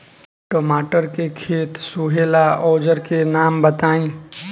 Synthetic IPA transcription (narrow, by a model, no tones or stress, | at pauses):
ʈoːmaːʈəɾkekʰeːt̪suɦeːlaʔɔːd͡ʒəɾkenaːmbət̪aːĩ